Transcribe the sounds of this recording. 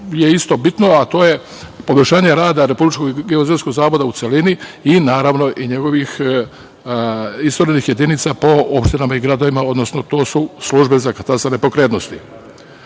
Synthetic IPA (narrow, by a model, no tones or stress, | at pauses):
je̞ist̪o̞bit̪no̞at̪o̞ːje | poboʃaːɲe̞ɾaːd̪aɾe̞publit͡ʃkoɡɡeozensko̞ɡzaːʋod̪aut̪seliniinaːɾaʋno̞ʔiɲe̞ɡo̞ʋix | ist̪oɾenixje̞d̪init̪sapo̞opʃt̪inamaiɡɾad̪o̞ʋimao̞d̪nosnot̪o̞ːsusluʒbe̞zakat̪asane̞po̞kɾet̪no̞st̪i